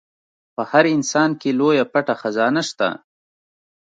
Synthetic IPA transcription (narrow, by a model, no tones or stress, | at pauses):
pəhaɾɪnsɑnkelojapaʈaxazɑnaʃt̪a̰